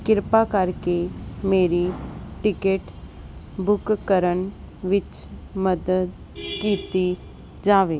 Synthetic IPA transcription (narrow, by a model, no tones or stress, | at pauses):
kɪɾpakəɾkemeːɾiʈɪkeːʈ | bʊkkəɾəɳ | ʋɪt͡ʃ | məd̪əd̪ | kiːt̪i | d͡ʒaːʋeː